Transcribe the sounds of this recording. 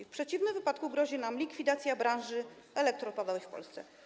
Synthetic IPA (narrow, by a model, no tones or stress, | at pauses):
fpʂɛt͡ɕivnɘmvɘpat̪kuɡɾɔʑinamlʲikfʲid̪at̪sʲjabɾãñʐɘ | ɛlɛk̚t̪ɾɔt̪̚pad̪awɛfpɔ̰lst̪sɛ̰